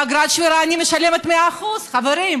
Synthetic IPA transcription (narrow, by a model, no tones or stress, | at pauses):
aɡɾat̪ʃviɾaːnimeʃalemet̪meaːχuz̥χaveɾim